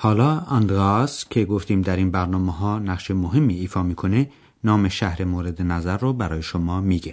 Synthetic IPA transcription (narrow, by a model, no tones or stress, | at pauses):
hɒːlɒːɒnd̪ɾɑskʰe̞ɡoft̪iːmd̪æɾiːnbæɾnɒːmeɦɒːnæqʃemoɦemːiːfɒːmiːkʰone | nɒːmeʃæhɾemoːɾe̞d̪enæzæɾːɔːbæɾɒːjeʃomɒːmiːɡe